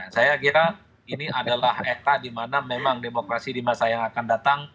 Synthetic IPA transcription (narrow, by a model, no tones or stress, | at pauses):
asajakiɾa | iniʔadalahet̪adimanamemaŋdemokɾasidimasajaŋakandat̪aŋ